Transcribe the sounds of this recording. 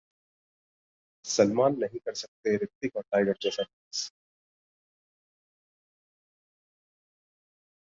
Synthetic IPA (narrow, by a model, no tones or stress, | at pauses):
sɐlmaːnːɐɦĩkɐɾsɐk̚t̪eɾɪk̚t̪ikaʈaːɪɡəɾd͡ʒɛsaʈː | s